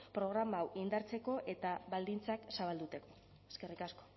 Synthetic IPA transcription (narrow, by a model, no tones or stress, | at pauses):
pɾo̞ɣ̞ɾamawʔind̪aɾt͡se̞ko̞ʔe̞t̪aβald̪int͡saksaβald̪ut̪e̞ko̞̥ | eskerikasko